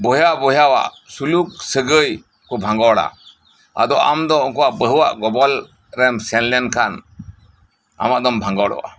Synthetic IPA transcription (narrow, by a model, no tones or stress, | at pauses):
bɔjabɔjawa̰ʔ | suluk̚səɡəj | kɔbʱãŋɡɔwɽa̰ | a̰d̪ɔʔa̰md̪ɔɔŋkɔwaʔbəɦəwa̰ʔɡɔbɔl | ɾɛmsɛnlɛnkʰan | a̰maʔd̪ɔmbʱaŋɡɔwɽɔ̰wa̰